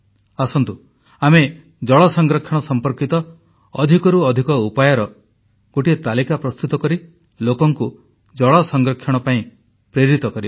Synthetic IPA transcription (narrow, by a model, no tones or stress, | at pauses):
asɔnt̪u | ame | d͡ʒɔɭɔsɔŋɡɾɔkʰjɔɽ̃ɔsɔmpɔɾkit̪ɔː | d̪ʱikɔɾuɔd̪ʱikɔupajɔɾɔ | ɡ̥oʈiet̪alikapɾɔst̪ut̪ɔkɔɾi | lokɔŋku | d͡ʒɔɭɔsɔŋɡɾɔkʰjɔɽ̃ɔpaĩ | pɾeɾit̪ɔkɔɾib